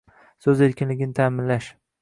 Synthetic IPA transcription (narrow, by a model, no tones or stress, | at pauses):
sɵze̞ɾkʲɪnlɪɡʲɪnɪt̪ʰaːmɪnlaʃ